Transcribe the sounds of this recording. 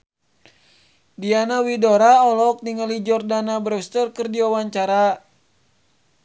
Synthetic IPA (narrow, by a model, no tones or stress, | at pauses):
dianawidoɾaɔlɔk̚niŋəlid͡ʒɔrdanabɾɛst̪ərkɨrdiawaɲt͡ʃaɾa